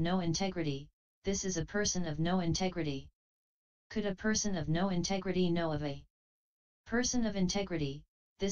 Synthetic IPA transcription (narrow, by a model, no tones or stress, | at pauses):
noʊɨ̃ntʰɛɡɹɨɾi | ðɪsɨzɨpʰɜ˞sɨ̃nʌvnoʊɨ̃ntʰɛɡɹɨɾi | kʰɨɾɨpʰɜ˞sɨ̃nʌvnoʊɨ̃ntʰɛɡɹɨɾinoʊʌvɨ | pʰɜ˞sɨ̃nʌvɨ̃ntʰɛɡɹɨɾi | ðɪ